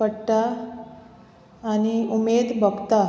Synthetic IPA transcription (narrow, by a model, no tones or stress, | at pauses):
pəɽʈa | ñiumed̪bʱəɡt̪a